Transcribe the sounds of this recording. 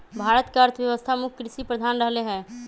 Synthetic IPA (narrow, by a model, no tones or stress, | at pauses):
bʱaːɾət̪keəɾt̪ʰəjəʋəst̪ʰamʊkʰkːɾɪʃipɾəd̪ʱaːnɾəɦleɦɛ̃ː